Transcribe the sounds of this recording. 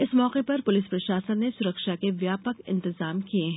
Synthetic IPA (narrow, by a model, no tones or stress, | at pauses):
ɪsmɔːqepɐɾpʊlɪspɾɐʃaːsəd̪nesʊɾəkʃakeʋjaːpəkɪ̰̃nt̪ɪzaːmkieɦɛ̃